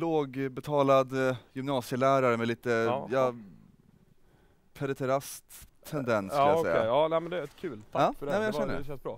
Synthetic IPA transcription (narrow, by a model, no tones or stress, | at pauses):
loːɡbɛt̪ʰɑːlad̪jʏmnɑːsɪəlæːɾaɾəmɛliːt̪əjɑ | pʰɛɾɛt̪ʰɛɾast̪ʰː | ɛnd̪ɛnskaaasɛ̰jːɛa̰ɑːnɛmɛnd̪ɛkʰʉ̟ːlt̪ʰːɑːfɛːmɛnjaɛnːəɛʃɛnsbɾɑ̰ː